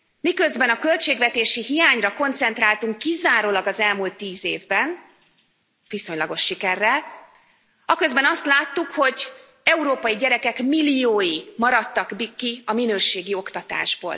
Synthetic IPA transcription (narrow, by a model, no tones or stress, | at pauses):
mikøzbɛnɒkø̞lt͡ʃeːɡvɛt̪eːʃiɦijaːɲrɒko̞nt̪sɛnt̪ɾaːlt̪uŋkːizaːɾoːlɒɡɒzɛlmult̪ːiːzeːvbɛn | viso̞ɲlɒɡo̞ʃːikɛrːɛl | ɒkøzbɛnɒst̪laːt̪ːukho̞ɟ | ɛuɾoːpɒjiɟɛɾɛkɛkmilːijoːjimɒɾɒt̪ːɒɡbikːiɒminøːʃeːɡio̞kt̪ɒt̪a̰ːʒbo̰ːl